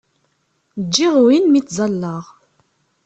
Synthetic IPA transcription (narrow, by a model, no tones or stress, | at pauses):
d͡ʒːiʁwinmit͡s̪ːzˤɑlːɑʁ